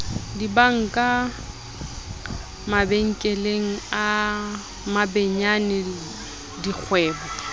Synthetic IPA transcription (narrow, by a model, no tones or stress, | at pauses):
dibaŋ̩kʼa | mabeŋ̩kʼeleŋ̩a | mabeɲanɪ | dik͡xʰwɛːbɔ